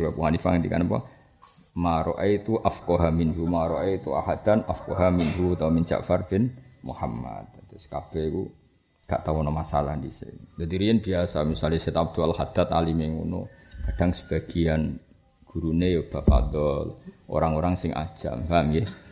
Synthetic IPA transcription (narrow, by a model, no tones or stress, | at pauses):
apuŋanifaŋdika̰npɔ̰ | maɾoʔait̪uʔafkoɦaminɦumaɾɔʔait̪ua̰had̪̥anafkɔɦaminɦut̪awmiɲd͡ʒa̰ʔfarb̥ɪnmṵhamːa̰d̪̚t̪ʊskab̥ɛiku | ɡ̥a̰ʔt̪awnomasa̰lahdisa̰dadiɾianb̥iasamisalesɛt̪ab̚d̪ualhad̪̥at̪alimeŋṵnɔ̰kad̥aŋsə̥b̥aɡ̥ian | ɡ̥uɾunejob̥apa̰d̪ɔlʔo̰ɾaŋoɾaŋsɪŋʔa̰̥d͡ʒ̥a̰mfamjɛ